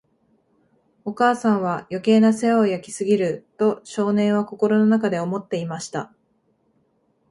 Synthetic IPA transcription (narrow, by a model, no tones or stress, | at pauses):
o̞kaːsãɰ̃βajo̞ke̞ːnase̞ajakʲi̥sɨɡʲiɾɯ̟t̪o̞ɕo̞ːnẽ̞ɰ̃β̞ako̞ko̞ɾo̞no̞nakad̪e̞o̞mo̞t̪ːe̞imaɕi̥t̪a